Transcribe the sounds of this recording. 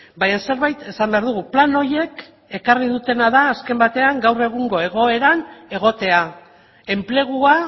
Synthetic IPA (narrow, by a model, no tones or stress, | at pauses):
bajanse̞ɾβajt̪e̞sambe̞aɾðuɣ̞uplano̞je̞k | e̞kariðut̪e̞naðaːske̞mbat̪e̞aŋɡawre̞ɣ̞uŋɡo̞e̞ɣ̞o̞e̞ɾane̞ɣ̞o̞t̪e̞a | e̞mple̞ɣ̞ua